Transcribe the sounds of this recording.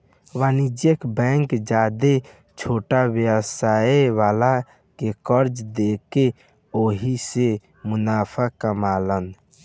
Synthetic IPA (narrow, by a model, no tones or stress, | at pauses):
ʋaːnid͡ʒjəkbɛ̃ŋkd͡ʒaːd̪e | t͡ʃʰoːʈawjəsaːeʋaːla | kekəɾd͡ʒd̪eːke | oːɦise | mʊnaːpʰakəmaːlən